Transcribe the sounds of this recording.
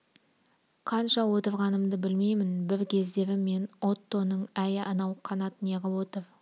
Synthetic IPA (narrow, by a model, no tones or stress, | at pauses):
qʰɑnʃɑwo̞t̪əɾʁɑnəmd̪əbɪlme̞jmɪnbɪɾkʲʰe̞zd̪e̞vɪme̞no̞t̪ːo̞nəɴæjɪʔɑnɑwqʰɑnɑt̪əneʁʲɪwot̪ov